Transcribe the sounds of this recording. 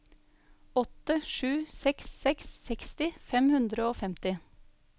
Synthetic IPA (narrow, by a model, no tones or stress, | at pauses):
ɔt̪əʃʉːsɛksːɛksːɛkst̪ɪfɛmhʉnd̪ɾəoːfɛmt̪ɪ